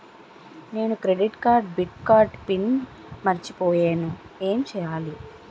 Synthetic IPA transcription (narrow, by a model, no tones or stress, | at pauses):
ne̞ːnukɾeɖiʈkaːɾɖ̚biʈkaːɾʈpin | mɐɾit͡ʃipɔːjeːnueːmt͡ʃɛːjaːli